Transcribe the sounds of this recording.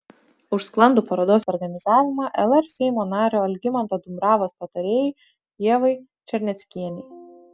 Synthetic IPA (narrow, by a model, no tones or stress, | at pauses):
ʊʃsklˠɐnd̪uːpɐɾɐd̪oːsɔɾɡɐnʲɪzɑːʋʲɪmɑːʔɛlˠɛɾsʲɛɪmoːnɑːɾʲoːɐlʲɡʲɪmɐnt̪ɐd̪ʊmbɾɑːʋoːspɐt̪ɐɾʲeːjɛɪ | jiɛʋɐɪ | t͡ʃʲɛɾʲnʲɛt̪sʲkʲiɛnʲɛɪ